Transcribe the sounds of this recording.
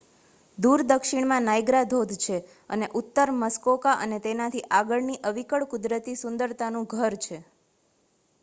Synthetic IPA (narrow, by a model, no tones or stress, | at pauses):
d̪uɾd̪əkʃiɳmãnajɡɾad̪ʱod̪ʱt͡ʃʰe | ə̰neʔut̪ːəɾməskokaʔənet̪enãt̪ʰiʔaɡəɭniʔəʋikəɭkʊd̪ɾət̪isʊnd̪əɾt̪anũɡʱəɾt͡ʃʰe